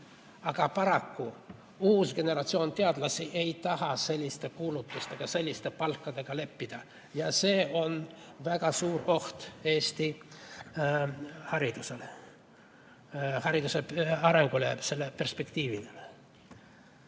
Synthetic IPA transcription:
ɑɡ̥ɑpɑɾɑkːu | uːsɡ̥e̞ne̞ɾɑt̪sio̞ːnt̪eɑd̪̥lɑsiʔe̞jt̪ɑɦɑse̞lʲːist̪e̞kuːlut̪ːˑust̪e̞ɡ̥ɑse̞lʲːist̪e̞pɑlkːɑd̪̥e̞ɡ̥ɑle̞pːid̪̥ɑ | jɑse̞ːo̞nvæɡ̥ɑsuːɾo̞ht̪e̞ːst̪i | hɑɾid̪̥usele | hɑɾid̪̥useɑɾe̞ŋɡ̥ulese̞lːepe̞rspe̞kt̪iːvilel

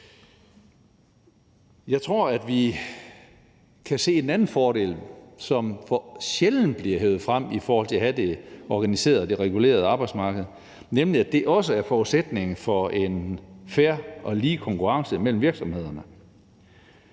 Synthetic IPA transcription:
jɑ̈ɪt͡sʰʁo̝ɐ̰æd̥ʋi | kʰæse̝̰ːe̝nænn̩fɒːɾe̝̰lsɒ̽mfɒɕeln̩b̥liɐɦøʊð̩ˠfʁam̰ifɒːhɒl̰t͡sʰe̝læɦhæd̥e̝ɒɡ̥ænise̝̰ːɐð̩ˠd̥e̝ʁɛɡ̥ule̝̰ːɐð̞ˠɑ̈ːb̥ɑ̈ɪd̥smɑ̈ːɡ̥əð̩ˠ | nemliæd̥e̝ʔɒ̽səæɐfɒːuðˠsed̥ne̝ŋ̩fɒ̽e̝nfæɐʔɒ̽liːkʰɒ̽ŋkʰuʁɑ̈ŋsəmel̰m̩ʋiɐɡ̥sɒ̽mhe̝ð̞̰ˠɐnə

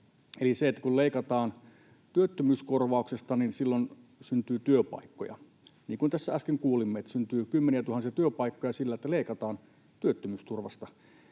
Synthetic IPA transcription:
eliseet̪ːækulleikɑt̪ɑːn | t̪yøt̪ːømyːskorʋɑˑuksest̪ɑninsilːon | synt̪yːt̪yøpɑ̰ikːo̰jɑ̰ | niːŋkunt̪æsːæɑskeŋkuːlimːeet̪ːæsynt̪yːkymːeniæt̪uhɑnsiɑt̪yøpɑikːojɑsilːæet̪ːæleikɑt̪ɑːn | t̪yøt̪ːømyːst̪urʋɑst̪ɑ

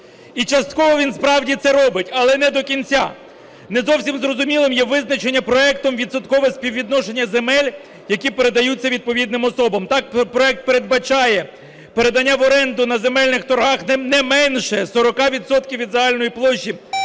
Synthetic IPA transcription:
it͡ʃɐst̪kɔɦɔʋʲinspɾɑwdʲit̪sɛɾɔbɪtʲɐlˠɛnɛd̪ɔkʲinʲt͡sʲa̰ | nɛzɔwsʲimzrɔzʊmʲilˠɪmjɛʋɪznɐt͡ʃenʲːɐpɾɔɛkt̪ɔmʋʲid̪sɐt̪kɔʋɛsʲpʲiwʋʲid̪nɔʃenʲːɐzemɛlʲ | jɐkʲipe̞ɾed̪ɐjut͡sʲːɐʋʲid̪̚pɔʋʲid̪nɪmɔsɔbɐmt̪ɑkpɾɔɛk̚t̪̚pe̞ɾed̪̚bɐt͡ʃɑjɛ | peɾe̞d̪ɐnʲːaʋɔɾɛnd̪ʊnɐze̞mɛlʲnɪxt̪ɔɾɦɑxnnɛmɛnʃɛsɔɾɔkɑʋʲid̪sɔt̪kʲiwʋʲid̪zɐɦɑlʲnɔjiplˠɔʃːi

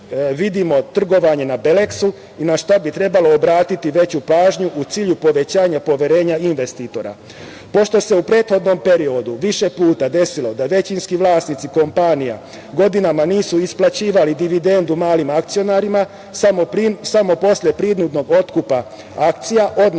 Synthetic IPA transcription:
ʋid̪imo̞t̪r̩ɡo̞ʋaɲe̞nabe̞leksu | inaʃt̪abit̪ɾe̞balo̞ːbɾaːt̪it̪iʋe̞t͡ɕupaːʒɲuʔut̪siːʎupo̞ʋe̞t͡ɕaːɲapo̞ʋjeɾe̞ːɲainʋe̞st̪iːt̪o̞ɾa̰ | po̞ʃt̪o̞se̞upɾe̞ːt̪xo̞d̪no̞mpe̞ɾio̞d̪uʋiʃe̞puːt̪ad̪e̞silo̞d̪aʋe̞t͡ɕinskiʋlˠaːsnit̪iko̞mpanija̰ | ɡo̞d̪inamaniːsuisplat͡ɕiːʋalid̪iʋid̪e̞nd̪umaːlimakt̪sijo̞naɾima | asamo̞po̞sʎe̞pɾid̪nud̪no̞ɡo̞t̪kupa | akt̪sijaʔo̞d̪n

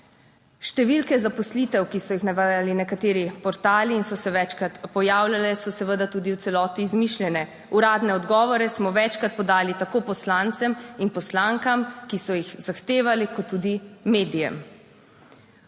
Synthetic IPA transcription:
ʃt̪ɛʋilkɛzapɔslit̪ɛwkisɔjixnaʋajalinɛkat̪eːɾipɔɾt̪aːliːnsɔsɛʋɛt͡ʃkɾat̪pɔjaːwlʲalɛsɔsɛʋəd̪at̪uːd̪iw̪sɛlɔːt̪iːzmiʃlʲjɛnɛ | uɾaːd̪nɛɔd̪ɡɔːʋɔɾɛsmɔʋɛt͡ʃkɾat̪̚pɔd̪aːlit̪akoːpɔslant̪sɛminpɔslaŋkamkisɔjixz̥axt̪eːʋalikɔt̪ːud̪imeːd̪ijɛ̰m

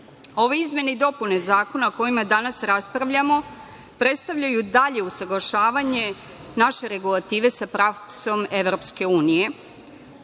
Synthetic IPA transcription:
o̞ʋeizme̞ned̪o̞pune̞zaːko̞nako̞jimad̪anasɾaspɾaʋʎamo̞ | pɾe̞t̪st̪aʋʎajud̪aʎe̞usaɡlaʃaːʋaɲe̞ | naʃe̞ɾe̞ɡulˠat̪iːʋe̞sapɾafso̞me̞ʋɾo̞pske̞uːnije̞

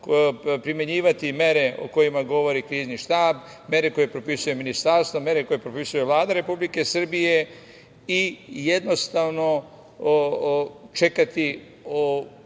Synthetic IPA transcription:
pɾimje̞ɲiːʋat̪ime̞ɾe̞o̰ko̞jimaɡo̞ʋo̞ɾikɾiːzniʃt̪aːb | mje̞ɾe̞ko̞je̞pɾo̞pisuje̞minist̪aɾst̪ʋome̞ɾe̞ko̞je̞pɾopisuje̞ʋlˠaːd̪aɾe̞publike̞sr̩bije̞ | ije̞d̪no̞st̪aːʋno̞ | t͡ʃe̞kat̪i | o

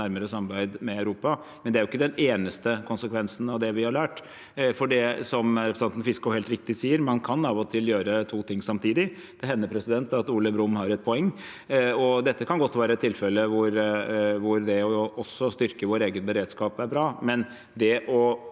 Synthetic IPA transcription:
æɾməɾəsɑmbæɪd̪mɛæʉɾuːpɑ | mɛnd̪ɛæɾjʊɪkːəd̪ɛneːnəst̪əkʰʊnsəkʰʋɛnsn̩ɑʋd̪ɛʋɪhɑɾɭæːʈ | fɔɖɛsɔmɾɛpɾəsɛnt̪n̩fɪskʊhɛːlt̪ɾɪk̚t̪ɪsiːəɾmɑnkʰɑnɑʋɔt̪ʰɪljøːɾət̪ʰuːt̪ʰɪŋsɑmt̪ʰiːd̪ɪ | d̪̥ɛɦɛnːəɾpʰɾɛsɪd̪ɛnt̪ɑt̪uːləbɾʊmːhɑɾɛt̪̚pʰɔɛŋː | ɔd̪ɛt̪ːəkʰɑnɡɔt̪ːʋæːɾəɛt̪ʰːɪlfɛlːəʋʊɾʋʊɾd̪ɛɔʔɔsːɔst̪ʏɾkəʋoːɾeːɡənbəɾeːd̪skɑːpæɾbɾɑːmɛn | d̪ɛʔɔ

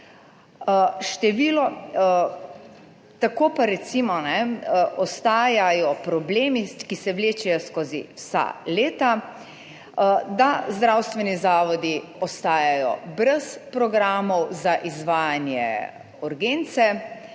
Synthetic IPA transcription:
ʃt̪ɛʋiːlɔ | t̪akoːpaɾɛt̪simɔnɛʔɔst̪aːjajɔpɾɔbleːmikisɛwleːt͡ʃɛjɔskoːzḭwsa̰leːt̪a | d̪azd̪ɾawst̪ʋɛnizaːʋɔd̪iɔst̪aːjajɔ̰bɾɛspɾɔɡɾaːmɔwzaʔizʋaːjanjɛ̰ | uɾɡeːnt̪sɛ

